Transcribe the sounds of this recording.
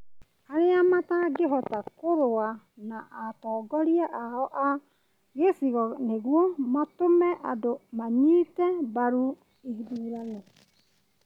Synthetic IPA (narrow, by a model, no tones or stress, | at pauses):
aɾeamataɡeɦɔtakoɾoa | naʔːtɔːɡɔɾiaʔaɔʔa | ɣesiɣɔneɣwomatomɛʔadomaɲiːtɛbaɾu | ihidiɾanɛ